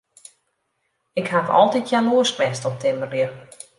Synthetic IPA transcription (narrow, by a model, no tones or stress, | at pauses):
ɪkhakɔ̰lˠtitjanuəskmɛstɔp̚tʰɪmərjə